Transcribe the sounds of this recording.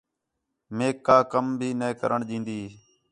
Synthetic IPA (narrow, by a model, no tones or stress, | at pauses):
meːkːaːkəmbʱiːneːkə̰ɾʔəɳɗĩːnd̪iː